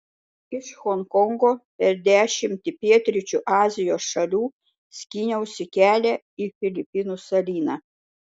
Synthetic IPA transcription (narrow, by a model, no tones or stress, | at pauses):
ɪʃxɔŋkɔŋɡoːpʲɛɾd̪ʲæːʃʲɪmʲt̪ʲɪpʲiɛt̪ʲɾʲɪt͡ʃʲuːʔɑːzʲɪjoːsʃɐlʲuː | sʲkʲiːnʲɛʊsʲɪkʲæːlʲɛ | iːfʲɪlʲɪpʲɪnuːsɐlʲiːnɑː